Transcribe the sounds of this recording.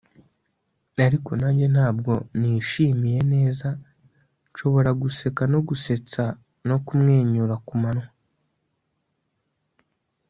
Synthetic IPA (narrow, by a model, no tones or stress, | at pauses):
aɾiko̞naɲɟe̞naːbɡo̞niʃiːmije̞ne̞ːza | nʃo̞βo̞ɾaɡuse̞kano̞ɡuse̞t͡sa | no̞kumŋe̞ːɲuɾakumanwa